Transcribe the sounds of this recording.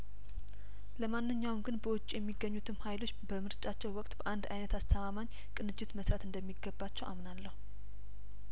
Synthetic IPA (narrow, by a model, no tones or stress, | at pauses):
ləmanːɨɲːawmɡɨnbəwʊt͡ʃʼijɛmːiɡːəɲːut̪ʰɨmhajlo̞t͡ʃːbəmɨɾt͡ʃʼat͡ʃːɛwwɔkʼt̪ʼb̥əʔand̪ajnət̪ast̪ʰəmamaɲː | kʼɨnɨd͡ʒɪt̪məsɾat̪ɨnd̪əmːiɡːəbːat͡ʃːɛwʔamnalːəhu